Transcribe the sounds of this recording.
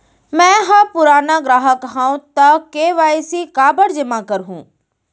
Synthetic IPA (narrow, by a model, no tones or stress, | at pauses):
mɛ̃ːɦapʊɾaːnaːɡɾaːɦəkɦãːũt̪akeːʋaːisiːkaːbəɽd͡ʒɪmãːkəɾɦṵ̃ː